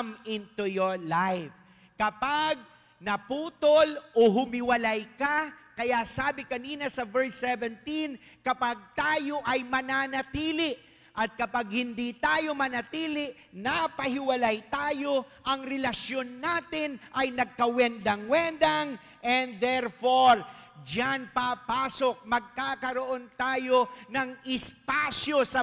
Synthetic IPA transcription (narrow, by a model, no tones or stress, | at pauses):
mɪnt̪ujoɹlajf | kɐpaɡ̚ | nɐpuːt̪olʔoɦʊmɪwɐlajkakɐjasaːbɪkɐniːnɐsɐvɛɹsːɛvɛnt̪in | kɐpaɡ̚t̪aːjo̞ʔɐjmɐnaːnɐt̪iːlɪʔ | ʔɐt̪̚kɐpaɡ̚hɪnd̪it̪aːjo̞mɐnɐt̪iːlɪʔ | napɐhɪwɐlajt̪aːjo̞ʔɐŋɾɛlɐsjo̞nːaːt̪ɪnʔɐjnɐɡ̚kɐwɛnd̪ɐŋwɛnd̪ɐŋ | ʔɛnd̪d̪ɛɾfoɾd͡ʒanpapaːso̞k̚mɐɡ̚kaːkɐɾo̞ʔo̞nt̪aːjo̞nɐŋɪsp̪aːsjo̞sɐ